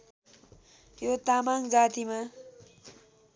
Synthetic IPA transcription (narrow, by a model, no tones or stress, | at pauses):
jot̪amaŋd͡zat̪ima